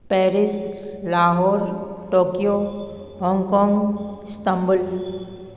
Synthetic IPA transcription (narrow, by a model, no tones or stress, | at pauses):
pɛːɾɪslaːɦɔːɾʈoːkijo | ɦɔ̃ːŋkɔːŋɡst̪ə̃mbʊl